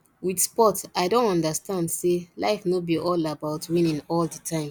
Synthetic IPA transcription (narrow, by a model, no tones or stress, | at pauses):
widspɔtaɪdõntɔ̃ndastãndsela̰ɪfnobiʔɔlabaʊtwĩnĩnɔlditʰãɪ̃m